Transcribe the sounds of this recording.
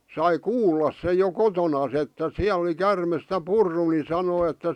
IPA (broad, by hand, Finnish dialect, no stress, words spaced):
sɑi kuːlːɑs sej jo kotonɑs etːæ siæl ŏli kærmes s̆tæ purːu ni sɑnoi etːæ